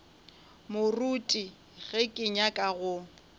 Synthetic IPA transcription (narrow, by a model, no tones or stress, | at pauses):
mʊrutʼi | ɣɛkʼɪɲakʼaɣʊ